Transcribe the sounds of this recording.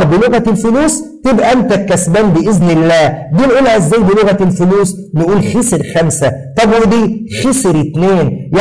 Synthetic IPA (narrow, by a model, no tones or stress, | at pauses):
bɪloɣælfʊluːst̪ebʔæʔænt̪ækːæsbæːnbɪʔɪznɪlːæːd̪iːnʔuːlhæɪzːæːjbɪloɣælfʊluːs | nʔuːlxeseɾxæmsæt̪ˤɑbwed̪iːxesɾɪt̪neːnja